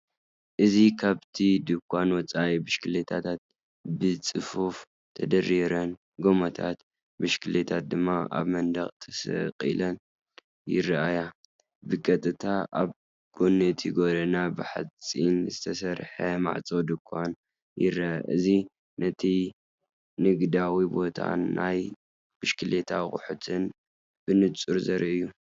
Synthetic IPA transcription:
ʔɨzikʰaβt̪ʰid̪ɨkʷʰʼːanwɔt͡sʼajbɨʃkʰɨlet̪ʰat̪ʰat̪̚ | bɨt͡sʼɨfuf | t̪ʰɐd̪ɐɾiɾɐn | ɡomɐt̪ʰa̰t̪ | bɨʃkʰɨlet̪ʰat̪̚d̪ɨmːaʔa̰βmɐnd̪ɐχʼt̪ʰɐ̥sɐ̰qʼḭlɐn | jɪrɐʔaja | bɨkʼɐt̪ʼɨt̪ʰaaβ | kʼunɨt̪ʰiɡoɾɐnabɨħa̰t͡sʼinzɨt̪ʰɐsɐɾħɐma̰ʕt͡sʼod̪ɨkʼʰan | jɪrɐ̰ʔɨzi | nɐt̪ʰi | nɨɡd̪awibo̞t̪ʰa̰ːaj | bɨʃkɨlet̪ʰakʼʊħut̪ʰɨn | b̥ɨnɨt͡sʼuɾzɐɾiʔɨjːu

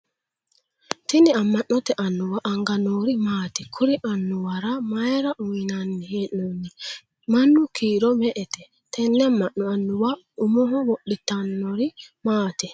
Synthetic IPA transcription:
t̪iniamːanːɔt̪ɛʔanːuwaʔaŋɡanoɾimaːt̪ɛkʰuɾiʔanːuwaɾamaɛɾaʔuwinanːihenːonːi | manːukʰiːɾɔmɛʔɛt̪ɛ | t̪ʰɛnːɛamːaʔːɔanːuwa | umɔɦɔwɔɗːit̪ːanːɔɾimaːt̪ɛ

